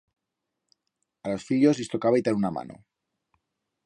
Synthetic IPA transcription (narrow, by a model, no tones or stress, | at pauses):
alo̞sfiʎozlist̪o̞kaβajt̪aɾunama̰nʔo̰